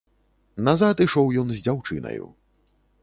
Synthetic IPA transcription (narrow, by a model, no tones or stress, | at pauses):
nazat̪iʂɔwjɔnzʲd͡zʲawt͡ʂɨ̰nɐ̰jṵ